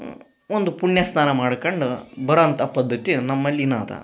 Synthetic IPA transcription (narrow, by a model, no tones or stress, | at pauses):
ond̪upuɳjɐsnaːnɐmaːɽkɐɳɖubɐɾɐnt̪ʰɐpɐd̪ʱːɐt̪inɐmːɐlːina̰ːt̪ʰɐ̰